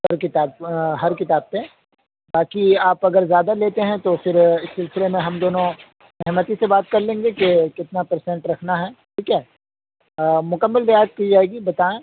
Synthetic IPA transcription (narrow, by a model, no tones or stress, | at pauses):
ɐɾkɪt̪aːbɦɐɾkɪt̪aːb̚pe | baːkiaːpɐɡəɾzjaːd̪aleːt̪eɦɛ̃t̪ofɪɾɪsːɪlsɪlemẽɦɐmd̪oːnõ | mɛɦmət̪isebaːt̪kɐɾlẽːŋɡekekɪt̪napɐɾsɛ̃ɳʈɾɐkʰnaɦɛːʈʰiːkɛː | mʊkəmːəlbɐjaːt̪̚kiid͡ʒaːɛːɡibɐt̪aːẽ